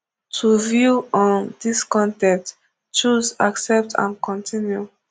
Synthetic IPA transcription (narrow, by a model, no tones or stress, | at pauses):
tʰuvjuɔ̃ndiskɔ̃ntɛ̃p̚t | t͡ʃuzaksɛp̚tʰã̰nkʰɔ̃ntʰĩnju